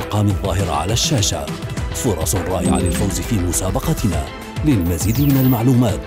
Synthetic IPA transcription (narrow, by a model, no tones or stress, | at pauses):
qɑːmɪðˤːɑːhɪɾ̰ʕa̰laːʃːaːʃa̰fʊɾˤɑsˤrˤːɑːʔɪʕa̰lalfawzɪfiːmʊsaːbɑqɑt̪na̰ː | lɪlmaziːd̪mɪnalmaʕluːmaːt̪